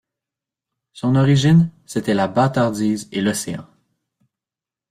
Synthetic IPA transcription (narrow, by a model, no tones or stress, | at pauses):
sɔ̃nɔʁiʒinset̪ɛlabat̪aʁd̪iːzelɔseɑ̰̃